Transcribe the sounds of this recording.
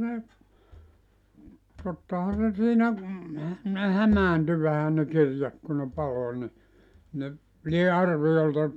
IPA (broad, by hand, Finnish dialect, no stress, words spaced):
ne totːɑhɑn se siːnæ ne hæmæːnty ʋæhæ ne kirjɑt ku ne pɑlo ni ne lie ɑrʋijoltɑ